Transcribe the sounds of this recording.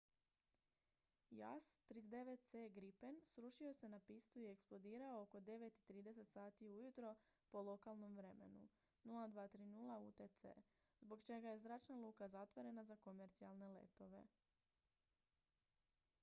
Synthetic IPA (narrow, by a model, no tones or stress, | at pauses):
ja̰st̪ɾizd̪e̞ʋet̪̚t̪seːɡɾipensɾuʃio̞se̞napist̪uieksplˠo̞d̪iːɾao̞oko̞d̪e̞ʋe̞t̪it̪ɾiːd̪e̞se̞t̪saːt̪iujut̪ɾo̞po̞lˠo̞kalˠno̞mʋɾe̞me̞̰nu | nulˠad̪ʋaːt̪ɾiːnulˠauːt̪et̪sḛː | zbo̞kt͡ʃe̞ɡaje̞zɾaːt͡ʃnalˠuːkazat̪ʋo̞ɾe̞nazako̞me̞ɾt̪sialˠne̞le̞̰t̪o̞ʋe̞̰